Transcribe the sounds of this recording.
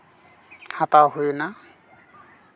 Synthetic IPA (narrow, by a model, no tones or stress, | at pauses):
hatawɦujna